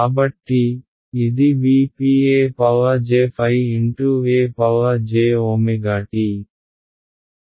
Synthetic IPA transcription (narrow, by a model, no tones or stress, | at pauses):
aːbɐʈːiː | d̪iʋiːpiːeːpɐlɐd͡ʒeːpʰɐjiɳʈuːeːpɐlɐd͡ʒeːoːmiɡaːʈi